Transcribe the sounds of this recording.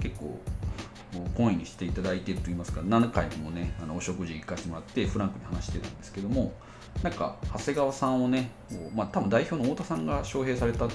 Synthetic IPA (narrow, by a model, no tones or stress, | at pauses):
ke̞kːo̞̰ː | moːkõĩɲ̟ːiɕi̥t̪e̞it̪ad̪ait̪e̞ɾɯ̟t̪oiːmasɨ̥kanãŋkaimo̞ne̞anoːɕo̞kɯ̟ʑiiikːaɕi̥t̪emo̞ɾat̪ːe̞ɸɯ̟ɾãŋkɯ̟ɲihanaɕi̥t̪e̞ɾɯ̟̃nd̪e̞sɨ̥ke̞d̪o̞mo̞ | nãŋka̰hase̞ɡaβasãɰ̃one̞koːmaːt̪abɯ̟nd̪aiçʲo̞ːnooːt̪asãŋɡaɕo̞ːɦe̞ːsaɾe̞t̪a